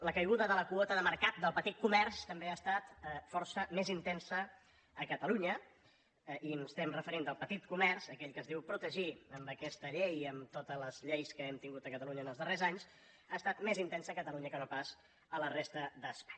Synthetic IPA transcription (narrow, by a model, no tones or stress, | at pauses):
ləkəjɣuðəðələkuɔt̪əðəməɾkat̪̚d̪əlˠpət̪it̪̚kumɛrst̪əmbeaːst̪at̪fɔɾsəmezint̪ɛnsəː | kət̪əluɲə | ʔimst̪ɛmrəfəɾind̪əlˠpət̪it̪̚kumɛɾsəkɛʎkəzðiwpɾut̪əʒiəmbəkɛst̪əʎejəmt̪ot̪ələzʎejskəɛmt̪iŋɡut̪əkət̪əluɲəːnəlˠzðərezaɲs | ast̪at̪mezint̪ɛnsəːkət̪əluɲəkənopas | ələrest̪əd̪əspḁɲ